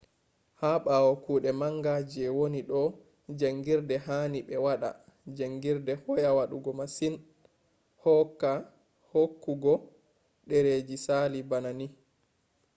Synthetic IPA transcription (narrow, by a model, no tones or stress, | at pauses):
haɓawɔkuːɗɛmaŋɡad͡ʒɛwoniɗɔ | d͡ʒaŋɡiɾdɛɦaniɓɛwaɗa̰ | d͡ʒaŋɡiɾdɛhɔjawaɗuɡɔmasin | hɔkːa | hokːuɡɔ | ɗɛɾed͡ʒisaːlibanani